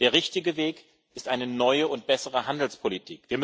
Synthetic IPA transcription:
d̥eːɐʁɪçtɪɡəveːk | ɪstʔaɪnənɔʏəʊnt̚b̥ɛsəʁəhandl̩spʰolitʰḭːkv̥iːɐm

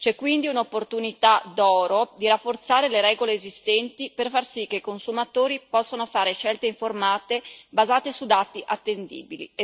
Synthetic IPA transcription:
t͡ʃɛkːwind̪iunopːort̪unit̪ad̪ɔːɾod̪iɾafːort̪saːɾeleɾɛːɡoleːzist̪ɛnt̪iperfarsikːeikonsumat̪oːɾipɔsːonofaːɾeʃɛlt̪eiɱformaːt̪ebazaːt̪esud̪aːt̪iʔat̪ːend̪ḭːbilḭ

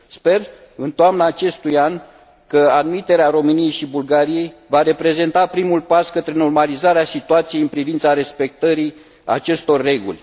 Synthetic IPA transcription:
spe̞r | ɨnt̪oamnəːt͡ʃe̞st̪ujan | kəad̪mit̪e̞ɾeaɾo̞mɨnije̞jʃibulɡaɾije̞jvaɾe̞pɾe̞ze̞nt̪apɾimulpaskət̪ɾe̞no̞rmalizaɾeasit̪uat̪sijejɨnpɾivint̪saɾe̞spe̞k̚t̪əɾi | a̰t͡ʃe̞st̪o̞rːe̞ɡṵlʲ

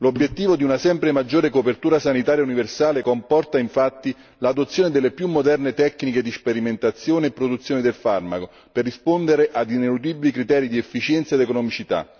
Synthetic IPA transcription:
lobːjet̪ːiːvod̪iunasɛmpɾemad͡ʒːoːɾekopert̪uːɾasanit̪aːɾjauniversaːlekompɔrt̪aiɱfat̪ːi | lad̪ot̪sːjoːned̪elːepjumːod̪ɛrnet̪ɛkːniked̪ispeɾiment̪at̪sːjoːneːpːɾod̪ut̪sːjoːned̪elfarma̰ko | perːispond̪eɾeʔad̪inelud̪ibilikɾit̪ɛːɾid̪iɛfːit͡ʃɛnt̪saed̪ekonɔmit͡ʃit̪a̰

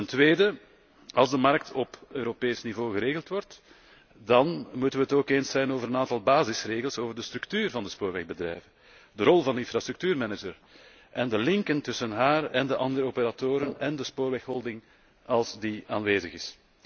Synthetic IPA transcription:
təntʋeːdə | ɑlˠzdəmɑrk̚tʰɔpøːɾopeːsnivoːɣəɾeːɣəlˠtʋɔrt | dɑnmutənʋəɦətoːkeːnsɛjnoːvəɾənaːntɑlˠbaːzɪsreːɣəlˠsoːvərdəst̪ɾʉktyːrvɑndəspoːɾʋɛɣbədɾɛ̰jvən | dəɾɔlˠvɑndəɪnfrast̪ɾʉk̚tyːrmɛnəd͡ʒər | ʔɛndəlɪŋkəntʏsənɦaːrɛndəʔɑndəɾəopəɾatoːɾənɛndəspoːɾʋɛxɦɔlˠdɪŋ | ɑlˠzdiaːnʋeːzəɣɪs

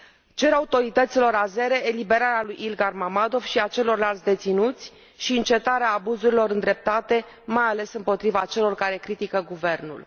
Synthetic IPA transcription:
t͡ʃe̞ɾaut̪o̞ɾit̪ət̪silo̞ɾaze̞ɾe̞elibe̞ɾaɾealujʔilɡarmamad̪o̞vʃiat͡ʃe̞lo̞rlalt̪sʲd̪e̞t̪sinut̪sʲ | ʃiɨnt͡ʃe̞t̪aɾeaːbuzuɾilo̞ɾɨnd̪ɾe̞p̚t̪at̪e̞ | majale̞sɨmpo̞t̪ɾivat͡ʃe̞lo̞rkaɾe̞kɾit̪ikəɡuve̞rnṵl

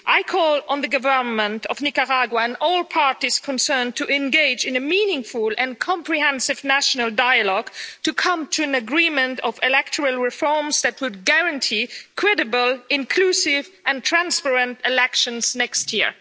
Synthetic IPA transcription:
ʔaɪkʰɔlˠə̃nðɨɡəvə˞nmə̃ntʌvnikəɹaɡwəɨ̃ndɔlˠpʰɑɹɾiz̥kʰɔ̃nsɜ̃˞ntʰɨʔɨ̃nɡeɪd͡ʒɨ̃nɨmĩnɪ̃ŋfʊlˠɨ̃nkʰɑ̃mpɹiɦɛ̃nsɨvnæʃnəl̩ˠdaɪɨlɔɡ̥tʰɨkʰʌ̃mtʰuɨ̃nɨɡɹĩmɨ̃ntʌvɪlɛk̚tʰəɹəl̩ˠɹɪfɔɹmz̥ðɨt̚wʊd̚ɡæɹɨ̃ntʰikʰɹ̥ɛɾɨbəlˠɪ̃nkʰl̥usɪvɨ̃ntʰɹ̥æ̃nspɛɹɨ̃ntɪlɛkʃə̃nz̥nɛkst̚jɪ̰ɹ

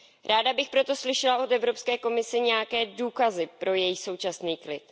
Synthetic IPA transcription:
ɾʔaːdabɪxpɾo̞t̪o̞slɪʃɛlao̞t̪ɛvɾo̞pskɛːko̞mɪsɛɲɛjakɛːduːkazɪpɾo̞jɛjɪxso̞wt͡ʃasniːklɪt̪

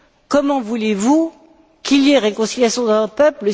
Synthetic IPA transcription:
kɔmɑ̃vulevu | kiljeʁekɔ̃siljasjɔ̃d̪ɑ̃vɔt̪pœplə

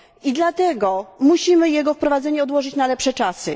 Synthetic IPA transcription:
id̪lat̪ɛɡɔmuɕimɘjɛɡɔfpɾɔvad̪zɛɲɛɔd̪wɔʐɘt͡ɕnalɛpʂɛt͡ʂasɘ

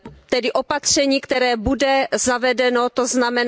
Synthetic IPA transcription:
t̪ɛdɪʔo̞pat̪r̝̥ɛɲiːkt̪ɛɾɛːbudɛzavɛdɛno̞t̪oznamɛn

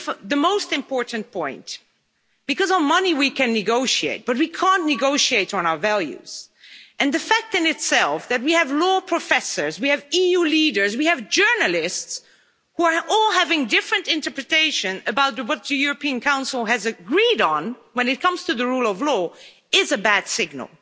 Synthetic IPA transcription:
ðɨmoʊstɨ̃mpʰɔɹʔn̩pʰɔ̃ɪ̃n | b̥ɨkʌzn̩mʌniwikʰɨ̃nːɨɡoʊʃiḛɪt̚b̥ʌt̚wikʰæ̃nnɨɡoʊʃieɪɾn̩aʊə˞vælˠjʉ̰z̥ʔɨ̃nðɨfæk̚tɨ̃nɨtsɛlˠfðɨt̚wiɨvlɔpʰɹ̥əfɛsə˞zwiɨvijuliɾə˞zwiɨvd͡ʒɜ˞nəl̩ˠɪsts | huə˞ʔɔlˠɦævɪ̃ŋdɪfɹɨ̃ntɪ̃ntə˞pɹɨteɪʃɨ̃nɨbaʊt̪̚wʌt̪̚ðɨjʊɹɨpʰĩɨ̃nkʰãʊ̃nsl̩ˠɨzɨɡɹiɾn̩wɨ̃nɨt̚kʰʌ̃mz̥tʰɨðɨɹulˠʌvlɔ | ɪzɨbæd̥sɪɡ̚nə̰l̩ˠ

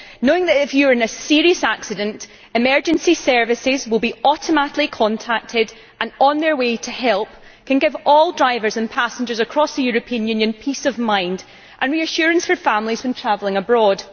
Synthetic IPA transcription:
noɪ̃ŋðəʔɪfjəə˞ɪ̃nəsiɹiəsaksɪdə̃nʔ | ɪmɜ˞d͡ʒɨ̃nsisɜ˞vɪsɪzwɪlˠbiɔʔəməʔlˠikʰɔ̃ntʰak̚tʰɪd | ʔə̃nə̃nðə˞wetʰəhɛlˠp̚ | kʰə̃nɡɪvɔlˠdɹaɪvə˞zə̃npʰasɪ̃nd͡ʒə˞zəkʰɹ̥ɔsðəjʉɹɨpʰiə̃njʉ̃njə̃npʰisəvmãɪ̃nd | ʔə̃nɹiəʃʉɹə̃nsfə˞fãmlˠiz̥fə̃ntʰɹ̥avlˠɪ̃ŋəbɹɔd̥

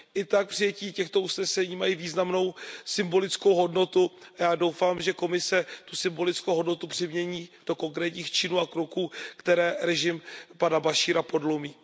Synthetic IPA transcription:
ʔɪt̪ak̚pr̥ɪjɛciːcɛxt̪o̞usnɛsɛɲiːmajiːviːznamno̞wsɪmbo̞lɪt͡skowɦo̞dno̞t̪uajaːdo̞wfaːmʒɛko̞mɪsɛt̪usɪmbo̞lɪt͡skowɦo̞dno̞t̪upr̥ɪmɲɛɲiːd̥o̞ko̞ŋkɾɛːt̪ɲiːxt͡ʃɪnuːakɾokuːkt̪ɛɾɛːɾɛʒɪmpadabaʃiːɾapo̞dlomiː

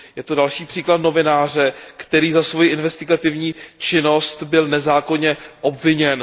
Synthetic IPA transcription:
jɛt̪odalʃiːpr̝̥iːklat̪no̞vɪnaːr̝ɛkt̪ɛɾiːzasvojiʔɪnvɛst̪ɪɡat̪ɪvɲiːt͡ʃɪno̞st̪bɪlnɛzaːko̞ɲɛʔobvɪɲɛn

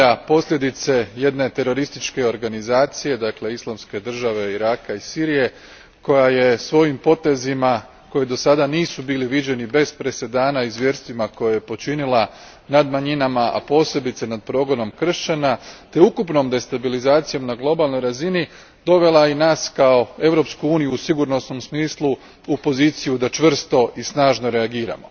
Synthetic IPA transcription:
apo̞slʎʲe̞d̪it̪se̞je̞d̪ne̞t̪e̞ɾo̞ɾist̪it͡ʃke̞o̞ɾɡanizaːt̪sije̞d̪akle̞islˠamske̞d̪r̩ʒaʋe̞iɾaːkaisiːɾije̞ | ko̞jaje̞sʋo̞jimpo̞t̪e̞zima | ko̞jed̪o̞sad̪aniːsubiːliʋid͡ʑe̞nibe̞z̥pɾe̞se̞d̪aːnaizʋje̞ɾst̪ʋimako̞jaje̞po̞t͡ʃinila | nad̪maɲinamaʔa̰po̞ːse̞bit̪senad̪̚pɾo̞ːɡo̞no̞mkr̩ʃt͡ɕanat̪e̞ukupno̞md̪e̞st̪abilizaːt̪sijo̞mnaɡlˠo̞balˠno̞jɾazini | d̪o̞ʋe̞lˠainaːskao̞e̞ʋɾo̞pskuuːnijuːsiɡuɾno̞sno̞msmiːslˠu | upo̞ziːt̪sijud̪at͡ʃʋr̩st̪o̞ʔisnaːʒno̞ɾe̞aɡiːɾa̰mo̞̰

